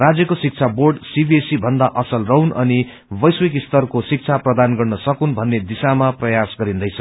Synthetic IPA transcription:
rad͡zjʌkosik̚t͡sʰaborɖsibiesibʱʌnd̪aʔʌsʌlrʌɦunʌni | bʌjswekist̪ʌrkosik̚t͡sʰaprʌd̪anɡʌrnʌsʌkunbʱʌnːed̪isamaprʌjasɡʌɾind̪ʌjt͡sʰʌ

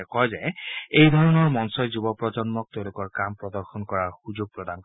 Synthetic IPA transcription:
kɔjzɛejdʱɔɹɔnɔɹmɔnsɔjzubɔpɹɔd͡ʒɔnmɔk̚teʊ̃lʊkɔɹkampɹɔdɔɹxʰɔnkɔɹaɹxuzoɡ̚pɹɔdank

